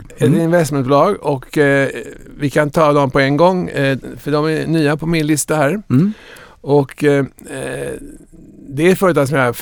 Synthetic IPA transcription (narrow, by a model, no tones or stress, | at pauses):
ɛt̪ɪnvɛst̪mɛn̚bʊlɑːɡɔk | vɪkʰant̪ʰɑːd̪ɔmpɔɛŋɡɔŋːfœɖɔmænyːapʰɔmɪnlɪst̪ahæːɾ | ɔk | d̪ɛæɾfœːɾət̪ʰɑːɡsɔmjɑ